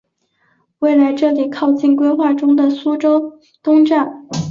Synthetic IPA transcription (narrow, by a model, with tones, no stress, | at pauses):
we˥˩ɪla˧˥ɪʈ͡ʂɤ˥˩li˨˩kʰɑ˥˧ʊt͡ɕi˥˩nkwe˥ɪxwa˥˩ʈ͡ʂʊ˥ŋd̪ə˨su˥ʈ͡ʂo˥ʊ | t̪ʊ˥ŋʈ͡ʂa˥˩n